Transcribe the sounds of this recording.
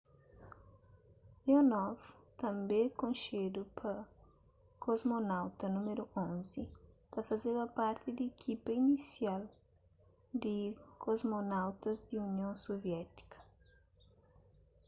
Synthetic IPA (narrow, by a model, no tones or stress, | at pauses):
jonɔvt̪ɐ̃mbẽkõnʃed̪upɐ | kʰozmonawt̪ɐnumeɾuʔõnzit̪ɐfɐzeβɐpaɾt̪ɪd̪ekʰipɐinisial | d̪ikʰozmonawt̪ɐzd̪iunjõsovjɛt̪i̥kʰɐ̥